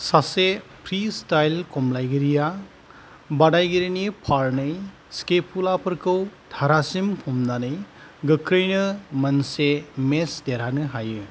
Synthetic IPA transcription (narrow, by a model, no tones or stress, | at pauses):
sasepʰɾistajlkɔmlajɡiɾija | badajɡiɾinipʰaɾnɯj | skepʰulapʰɯɾkʰɯwd̪̥ʱaɾasimpʰɔmdanɯjɡɯkɾɯjnɯmɐnsemesdeɾanɯɦajɯ